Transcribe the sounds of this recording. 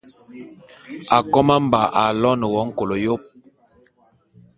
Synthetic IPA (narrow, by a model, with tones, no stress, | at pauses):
a˨kɔ˦ma˦m˨ba˨ʔa˨lɔ˦nə˨wɔ˦ŋ̩˦ko˨lo˨jo˦p̚